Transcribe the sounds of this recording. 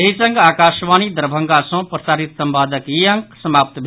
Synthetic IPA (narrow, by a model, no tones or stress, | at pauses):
eɦit͡sɐŋɡaːkaːʃʋaːnid̪ɐɾbʱɐŋɡasõprɐsaːɾit̪sɐmpaːd̪əkjiɐŋksɐmaːp̚t̪bʱ